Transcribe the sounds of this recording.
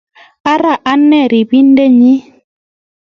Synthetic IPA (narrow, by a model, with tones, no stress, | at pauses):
a˦ɾa˦˨ʔa˦nːɛ˦˨ɾi˨bi˦n˦de˦ɲi˦